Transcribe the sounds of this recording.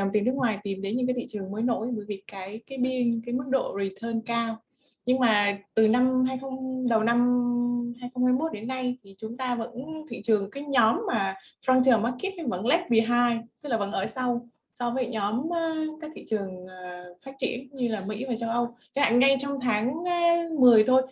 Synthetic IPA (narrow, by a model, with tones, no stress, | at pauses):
wŋ͡mt̪i˨˩n˦˥kŋwaː˨˩jt̪i˨˩mɗe˨˦nɲɨ̰˧˥kaː˨˦t̪ʰḭ˧˨t͡ɕɨ˨˩əŋməː˨˦jno̰˧˥jɓəː˧˩jvi˨˩əkːaː˨˦jkaː˨˦jɓi˧ənkaː˨˦jmɨ˦˥k̚ɗo̰˧˨zi˨˩t̪ʰəː˧nkaː˧w | ɲɨ˧ŋmaː˨˩t̪ɨ˨˩na˧mɦaː˧jxə˧wŋ͡mɗə˨˩wna˧mhaː˧jxə˧wŋ͡mhaː˧jmo˦˥t̚ɗe˨˦nːa˧jt̪ʰi˨˩t͡ɕʊ˨˦ŋ͡mt̪aː˧və̰˧˥nt̪ʰḭ˧˨t͡ɕɨ˨˩əŋkaː˨˦jɲɔ˨˦mːaː˨˩fɾa˧ŋt͡ɕəː˨˩ma˨˦˥ki˦˥t̚ka˧˦və̰˧˥nlɛ˦˥p̚ɓḭ˧˩ɦaː˧jt̪ɨ˦˥k̚laː˨˩və̰˧˥nʔəː˧˩sa˧w | sɔ˧vəː˨˦jɲɔ˨˦mː˨˦kaː˦˥k̚t̪ʰḭ˧˨t͡ɕɨ˨˩əŋəː˨˩faː˦˥t̚t͡ɕḭ˧˨ənɲɨ˧laː˨˩mḭ˧˥vaː˨˩t͡ɕa˧wʔə˧wt͡ɕa˨˦ha̰ː˧˨ŋŋa˧jt͡ɕɔ˧wŋ͡mt̪ʰaː˨˦ŋ˨˦mɨ˨˩əjt̪ʰo˧j